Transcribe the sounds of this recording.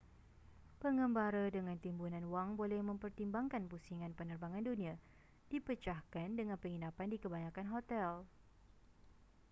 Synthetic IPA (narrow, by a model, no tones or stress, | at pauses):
pəŋəmbaɾədəŋãnt̪imbunãnwaŋbolɛhmə̃mpərt̪imbaŋkanpusiŋãnpənərbaŋãndunĩa | d̥ipət͡ʃahkandəŋanpəŋinapandikəbaɲãkanɦot̪ɛl